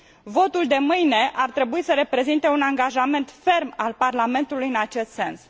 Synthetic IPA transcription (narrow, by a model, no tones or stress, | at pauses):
vo̞t̪uld̪e̞mɨjne̞ʔart̪ɾe̞buisəɾe̞pɾe̞zint̪e̞unaŋɡaʒame̞nt̪fe̞rmalparlame̞nt̪ulujɨnat͡ʃe̞st̪se̞ns